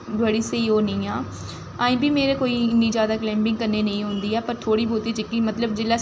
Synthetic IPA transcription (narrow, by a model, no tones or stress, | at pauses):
bəɽiːseiːoːnəĩːaː | aːĩːbimeːɾeːkoːiːɪnːiːd͡ʒjaːd̪aːklɛ̃ːmbɪ̃ŋɡkəɾneːnəĩːɦʊ̃nd̪iːɛːpəɾt̪ʰoːɽiːbʱuːt̪iːt͡ʃɪkːiːmət̪ləbd͡ʒɪlaː